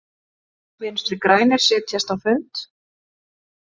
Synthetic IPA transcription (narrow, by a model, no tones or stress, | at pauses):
vɛnst̪ɾɪkɾaːjnɪɾ̥sɪːt̪çɛst̪awfʏnt̪